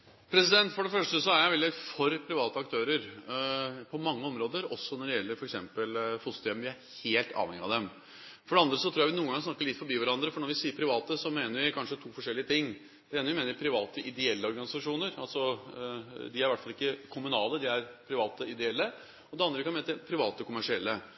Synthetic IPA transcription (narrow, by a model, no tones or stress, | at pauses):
pʰɾɛsɪd̪ɛnt̪fɔɖɛfœʂʈəsɔæɾjæɪʋɛld̪ɪfɔɾpʰɾɪʋɑːt̪əɑk̚t̪ʰøːɾəɾ | pʰɔmɑŋːəɔmɾoːd̪əɾɔsːɔnɔɖɛjɛlːəɾfɔɾɛksɛmpəlfʊst̪ɛmʋɪæɾheːlt̪ʰɑ̰ːʋɛŋɪɑd̪ɛm | fɔɖɛɑnd̪ɾəsɔt̪ʰɾuːjæʋɪnuːəŋɡɑŋsnɑkːəɭɪt̪ːfɔɾbiːʋæɾɑnd̪ɾəfɔɳɔɾʋɪsiːəɾpʰɾɪʋɑːt̪əsɔmeːnəɾʋɪkʰɑnʂət̪ʰuːfɔʂɛlːɪət̪ʰɪŋː | d̪ɛeːnəʋɪmeːnəɾɪpʰɾɪʋɑːt̪əʔɪd̪ɛɛlːəɔɾɡɑnɪsɑʂuːnəɾɑlsɔ | d̪ɪæɾʋæʈːfɑlɪkːəkʰʊmʉnɑːləd̪ɪæɾpʰɾɪʋɑːt̪əɪd̪ɛɛlːə | ɔd̪ɛɑnd̪ɾəkɑnmeːnəəpʰɾɪʋɑːt̪əkʰʊmæʂɪɛlːə